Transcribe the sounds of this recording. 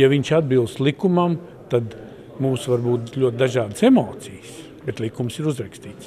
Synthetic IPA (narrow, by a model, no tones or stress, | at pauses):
jaʋiɲʲʃad̪bilˠst̪lˠikumam | t̪ad̪ | muːsʋaɾbuːt̪lʲuɔt̪̚d̪aʒaːd̪əsemoːt̪sijs | bet̪lˠikumsiɾuzɾakst̪iːt̪s